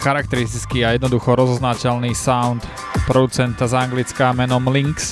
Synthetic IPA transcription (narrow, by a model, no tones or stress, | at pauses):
xaɾakt̪ɛɾist̪it͡skiːajɛd̪nɔd̪uxɔɾɔzɔznacɛlniːsaʊnt̪ | pɾɔd̪ut͡sɛnt̪azaŋɡlit͡skaːmɛnɔmliŋks